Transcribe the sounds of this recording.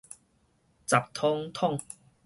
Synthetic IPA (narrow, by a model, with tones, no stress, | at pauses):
t͡sa˨˩p̚t̪ʰɔ˦ŋt̪ʰɔ˥˨ŋ